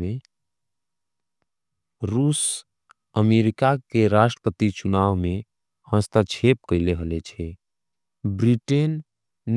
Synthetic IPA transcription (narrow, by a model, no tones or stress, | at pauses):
e | ɾus | əmeɾikakeɾasʈəpət̪it͡ʃunaʋme | hə̃st̪at͡ʃʰep̚kəɪleɦəlɛt͡ʃʰɛ | bɾiʈenː